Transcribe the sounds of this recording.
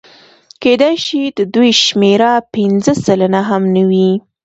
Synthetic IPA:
ked̪ajʃid̪əd̪ujʃmeɾapɪnzəsalanaɦamnəwi

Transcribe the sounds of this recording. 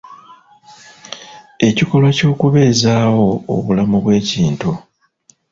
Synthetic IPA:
e̞ciko̞lwaco̞ːkuβe̞ːzaːwo̞̰ːβulamuβwe̞ːciːntu

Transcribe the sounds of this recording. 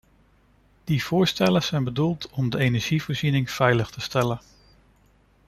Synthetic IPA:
d̥iv̥ʊːɹstɛləz̥ɛjnbədulˠtɔmdəejnɛɹʒ̥ivʊːɹzinɪŋv̥ɛjləχtəstɛlən

